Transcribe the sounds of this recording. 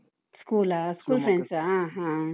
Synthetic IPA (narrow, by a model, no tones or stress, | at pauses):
skulaskulsẽnsaãɦã